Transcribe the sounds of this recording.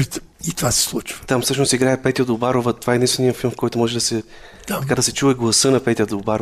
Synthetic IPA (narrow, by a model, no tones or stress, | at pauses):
it̪ovasɛ̥slˠut͡ʃvə̥t̪amfsɤʃnʊst̪iɡɾaɛpɛt̪ʲiɐd̪obaɾovɐt̪ovaɛd̪inst̪vɛnijəfilˠmfkɔjt̪omɔʒɛd̪ɐsɛ | t̪ɐkad̪ɐsɛt͡ʃuɛɡlˠɐsɤnɐpɛt̪ʲiɐd̪obaɾ